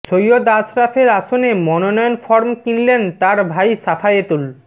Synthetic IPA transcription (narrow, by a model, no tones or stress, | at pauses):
t͡ɕʰojod̪asɾafʰeɾaʃonemɔnonɔjonfɔɾmkinlent̪aɾbʱajʃafʰaet̪ul